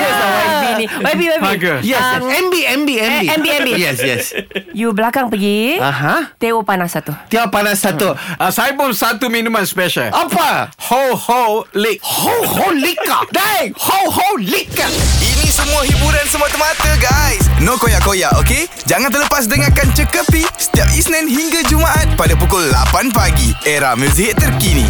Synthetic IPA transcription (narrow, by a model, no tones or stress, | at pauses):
iniwebiwebɡujɛsɛmbiɛ̃mbiɛmiɛmbiɛmbijɛsjɛ̰sjubəlakaŋpəɡiãɦãt̪eopanasat̪ut̪eopanasːat̪uasajpomsat̪umĩnũmãnspɛʃa̰lapahoholekhoholikadajhoholikainĩsəmũaɦibuɾansəmuat̪əmat̪əɡajsnokojaʔkojaʔoke | d͡ʒaŋant̪ələpas̬dəŋakant͡ʃəkəpisə̥t̪iap̚isnɛ̃nɦiŋɡad͡ʒumaʔat̪̚padapukʊlːa̰panpaɡiʔeɾahmus̬iɦɪtt̪ːərkinḭ̃